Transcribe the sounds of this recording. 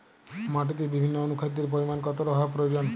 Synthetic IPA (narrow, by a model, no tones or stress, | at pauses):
maʈit̪ebibʱinːoonukʰad̪eɾp̬oɾimankɔt̪oɾɔɦapɾojod͡ʑon